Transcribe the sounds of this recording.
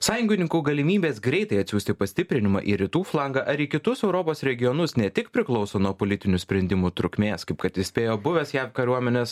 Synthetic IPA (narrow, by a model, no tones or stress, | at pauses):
sɑːjʊŋɡʲɪnʲɪŋkuːɡɐlʲɪmʲiːbʲeːsɡɾʲɛɪt̪ɐɪɐt̪ʲsʲuːsʲt̪ʲɪpɐsʲt̪ʲɪpʲɾʲɪnʲɪmɐ̰ʔḭːɾʲɪt̪uːflˠɑŋɡɐʔɐɾiːkʲɪt̪ʊsɛʊɾoːpoːsɾʲɛɡʲɪjɔnʊsnʲɛt̪ʲɪkpʲɾʲɪklˠɒʊsoːnuɔpoːlʲɪt̪ʲɪnʲʊsʲpʲɾʲɛnʲd̪ʲɪmuːt̪ɾʊkʲmʲeːskɐɪpkɐt̪ɪsʲpʲeːjoːbʊʋʲɛsjæːpkɐɾʲuɔmʲɛnʲɛːs